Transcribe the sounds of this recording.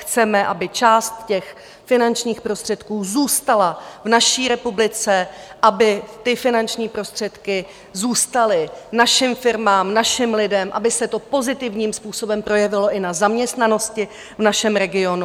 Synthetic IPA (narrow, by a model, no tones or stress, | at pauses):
xt͡sɛmɛʔabɪt͡ʃaːst̪cɛx | fɪnant͡ʃɲiːxpɾo̞st̪r̥ɛt̪kuːzuːst̪alavnaʃiːɾɛpublɪt͡sɛʔabɪt̪ɪfɪnant͡ʃɲiːpɾo̞st̪r̝̥ɛt̪kɪ | zuːst̪alɪnaʃɪmfɪɾmaːmnaʃɪmlɪdɛmʔa̰bɪsɛt̪o̞po̞zɪt̪ɪvɲiːmspuːso̞bɛmpɾo̞jɛvɪlo̞ʔɪnazamɲɛst̪nano̞scɪ | vnaʃɛmɾɛɡɪo̞nu